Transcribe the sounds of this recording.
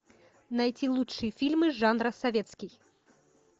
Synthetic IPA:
najt͡sʲilˠuʂɨjəfʲilʲmɨʐanɾɐsavʲɛt̪skʲij

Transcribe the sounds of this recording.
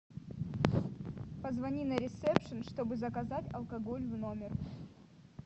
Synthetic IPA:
pəzvɐnʲinɐɾʲɪsɛpʂɨnʂt̪o̞bɨzɐkɐzatʲɐ̰lˠkɐɡolʲvno̞mʲɪr

